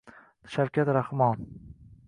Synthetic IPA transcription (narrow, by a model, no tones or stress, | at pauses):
ʃawkʲʰat̪ɾahmɒn